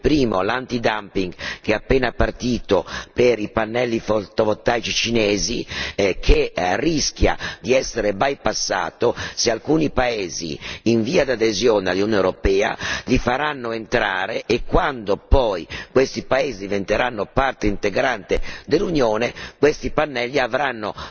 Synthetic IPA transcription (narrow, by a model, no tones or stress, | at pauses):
pɾiːmolant̪id̪ampiŋɡkeapːeːnapart̪iːt̪opeɾipanːɛlːifot̪ovot̪ːajt͡ʃit͡ʃineːzikʰerisk̟ja̰d̪iɛsːeɾebajpasːa̰ːt̪osealkuːnipaeːzḭːɱviːad̪ad̪ezjoːnealːuunewɾopɛːa̰lifaɾanːoent̪ɾa̰ːɾeʔekːwand̪opɔjkwest̪ipaeːzid̪ivent̪eɾanːopart̪eint̪eɡɾant̪ed̪elːunjoːnekwest̪ipanːɛlːiavɾanːo